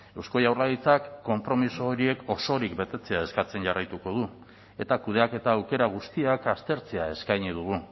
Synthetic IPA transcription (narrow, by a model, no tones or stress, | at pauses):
e̞wsko̞jawrlaðit͡sakːo̞mpɾo̞misoːɾie̞ko̞so̞ɾikbe̞t̪e̞t͡se̞ae̞skat͡se̞nʝarajt̪uko̞ð̞u | e̞t̪akuð̞e̞ake̞t̪aːwke̞ɾaɣ̞ust̪iakast̪e̞ɾt͡se̞ae̞skajɲið̞uɣu